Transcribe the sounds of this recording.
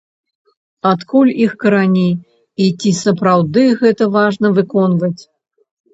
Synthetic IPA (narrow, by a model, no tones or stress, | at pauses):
at̪kulʲixkɐɾanʲiː | t͡sʲisɐpɾawd̪ɨɣɛt̪ɐvaʐnɐvɨkɔnvɐt͡sʲ